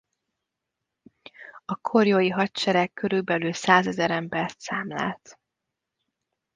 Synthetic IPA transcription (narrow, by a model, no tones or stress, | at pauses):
ɒkʰorjoːjiɦɒtt͡ʃɛɾɛkːøɾylbɛlylsaːzɛzɛɾɛmbɛrt̪saːmla̰ːlt̪